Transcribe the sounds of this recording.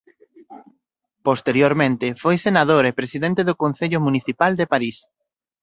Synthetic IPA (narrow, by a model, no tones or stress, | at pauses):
post̪eɾjoɾmẽnt̪ɪfojsenaðoɾepɾesiðẽnt̪eðʊkõn̟θeʎʊmũniθipald̪epaɾis